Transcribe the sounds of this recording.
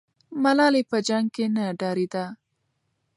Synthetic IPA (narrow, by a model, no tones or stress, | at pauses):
malɑlepəd͡ʒaŋɡ̚kenaɖɑɾid̪a